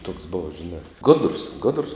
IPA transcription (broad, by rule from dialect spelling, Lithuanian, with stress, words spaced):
toːks ˈboːʋɐ ʒʲɪˈnɑː ˈɡoːdrʊs ˈɡoːdrʊs